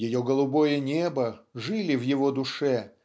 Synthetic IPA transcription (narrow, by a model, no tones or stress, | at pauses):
jɪjoɡəlˠʊbo̞jənʲebəʐɨlʲɪvjɪvod̪ʊʂɛ